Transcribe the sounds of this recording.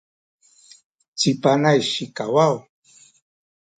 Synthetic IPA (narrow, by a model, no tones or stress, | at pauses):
t͡sɪpanajʃɪkawaw